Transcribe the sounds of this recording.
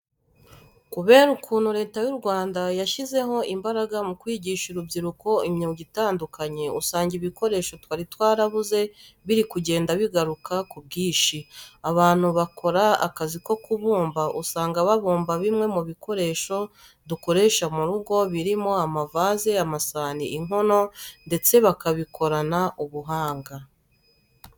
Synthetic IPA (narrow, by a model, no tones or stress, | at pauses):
kuβe̞ːɾukʰuːn̤̥uɾe̞ːtajuɾɡwaːndajaʃize̞ɦo̞ʔimbaɾaɡamukwiːɟiːʃuɾubɟiɾuko̞imɲuɟitaːndukaɲe̞usaːɲɟiβiko̞ɾe̞ːʃo̞twaːɾitwaːɾaβuze̞βiɾikuɟe̞ːndaβiɡaɾukʰakubɡiːʃiaβaːn̥huβakʰo̞ɾaa̰kaziko̞kuβuːmbaʔusaːŋɡaβaβuːmbaβimŋe̞muβiko̞ɾe̞ːʃo̞ | duko̞ɾe̞ːʃamuɾuɡo̞βiɾimo̞amavaːze̞amasaːniʔiŋo̞no̞nde̞t͡se̞βakaβikʰo̞ɾanaʔuβuɦaːŋɡa